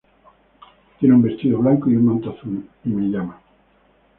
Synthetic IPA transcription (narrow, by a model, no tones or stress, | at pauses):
t̪jenumbe̞st̪iðoβlaŋkoiumãnt̪oaθulimeʎama